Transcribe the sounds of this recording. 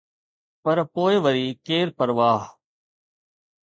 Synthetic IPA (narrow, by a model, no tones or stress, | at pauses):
pɐɾpoːɪʋəɾiːkeːɾpəɾʋaːɦ